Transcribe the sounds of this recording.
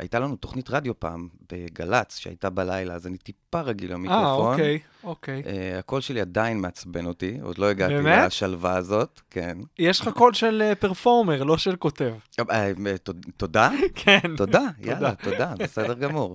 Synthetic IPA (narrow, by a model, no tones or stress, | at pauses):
ʔa̰jtalanuto̞χnitʁad̪jo̞pa̰ːmb̥eɡalat͡sʃea̰jtabalajlaːzanitipaʁaɡilamikaʁfooknej | okejeako̞lʃeliadainmeat͡sbe̞notio̰d̪lo̞eɡaemeaaʃalvaːzo̞tkʰenjɛʃlχako̞lʃelepeʁfoʁmeʁlo̞ʃelko̞tev | totodakʰento̞dajʔalat̪odabesedeʁɡamuʁ